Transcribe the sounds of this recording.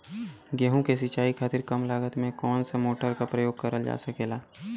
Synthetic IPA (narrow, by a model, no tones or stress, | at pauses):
ɡɛɦõkes̬ɪt͡ʃaːikʰaːt̪ɪɾkɐmlaːɡət̪mẽkɔːnsemoːʈəɾkapɾəjoːɡ̚kəɾəld͡ʒa̰ːsəkeːlaː